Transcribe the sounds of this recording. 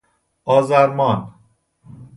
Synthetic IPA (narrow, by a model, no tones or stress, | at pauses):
ɒːzæɾmɒːn